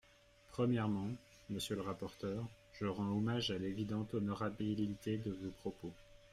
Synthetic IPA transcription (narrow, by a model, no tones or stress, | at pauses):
pχəmjɛʁmɑ̃ | məsjələʁapɔʁt̪œːʁ | ʒəʁɑ̃omaʒalevid̪ɑ̃t̪ɔnɔʁabilit̪ed̪əvopχɔpo